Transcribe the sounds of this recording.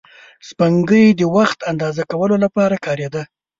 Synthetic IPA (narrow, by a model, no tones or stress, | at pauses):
spaŋɡəjd̪əwaxt̪and̪ɑzakawəlolapɑɾakɑɾed̪a